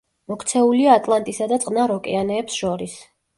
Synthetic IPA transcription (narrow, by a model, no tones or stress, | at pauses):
mɔkʰt̪sʰɛuliaːt̪ʼlˠant̪ʼisad̪at̪sʼqʼnaɾɔkʼɛanɛːpsʃɔɾis